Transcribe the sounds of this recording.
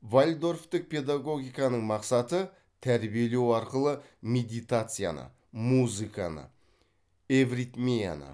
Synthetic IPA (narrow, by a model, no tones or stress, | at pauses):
valʲd̪o̞rft̪ɪk̚pʰe̞d̪aɡo̞ɡʲijkɑnəɴmɑqsɑt̪ə | t̪ʰæɾbije̞le̞wɑɾqəlˠə | mʲe̞d̪ijt̪at̪sɨja̰nə̰ | muzɨka̰nə̰ | evrit̪mija̰nə̰